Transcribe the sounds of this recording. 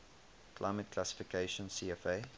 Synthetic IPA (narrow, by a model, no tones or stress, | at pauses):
kʰlʔa̰ɪmət̚kʰlasɪ̥fɪkʰeɪʃə̃nsiɛfeɪ